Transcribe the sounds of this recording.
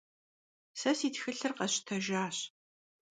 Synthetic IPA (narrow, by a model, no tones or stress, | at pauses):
sɐsiːtxɨɬɨrqɐɕtʰɐʒaːɕ